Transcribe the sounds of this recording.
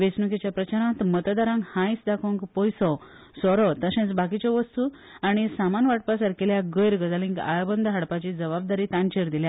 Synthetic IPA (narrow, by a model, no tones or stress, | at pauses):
ʋesnukit͡ɕjapɾət͡ɕaɾãt̪mət̪d̪aɾãŋkhãjsd̪akʰõŋkpɔjsɔ | sɔɾɔt̪əɕẽt͡sbak̬it͡ɕɔʋəst̪u | aɽ̃isamanʋaʈ̚pasaɾkeljaɡəjɾɡəd͡zalĩŋɡa̰jbənd̪ʱɦaɽpat͡ɕid͡zəβab̚d̪aɾiːt̪ãnt͡ɕeɾd̪ilja